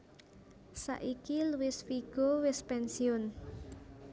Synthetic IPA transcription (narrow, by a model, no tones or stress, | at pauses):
sa̰ʔikiluwɪsfiɡ̥ɔ̤wɪspɛnsiʊn